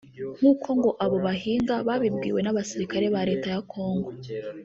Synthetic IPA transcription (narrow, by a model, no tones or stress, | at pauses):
ŋ̥uːkʰo̞ŋɡo̞ʔaβo̞βaɦiːŋɡaβaːβibɡḭːwe̞naβasiɾikaɾe̞βaɾe̞ːtajakʰo̞ːŋɡo̞